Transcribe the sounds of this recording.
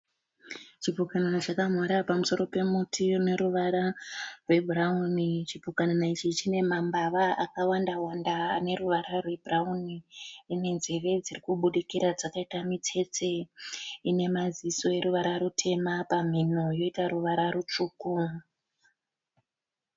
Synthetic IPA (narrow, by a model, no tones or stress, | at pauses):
t͡ʃibukananat͡ʃakamwaɾapamuso̞ɾo̞pe̞mutʰineɾuʋaɾarwe̞bʱuraunit͡ʃibukananait͡ʃit͡ʃine̞mambaʋaakawandawandaːne̞ɾuʋaɾarwe̞bʱrauniːne̞nzere̞d͡zirikuɓuɗikiɾad͡zakaitamitʰe̞t͡se̞ | ine̞maziso̞e̞ɾuʋaɾaɾutʰe̞mapam̤inojo̞itaɾuʋaɾaɾut͡ʂuːku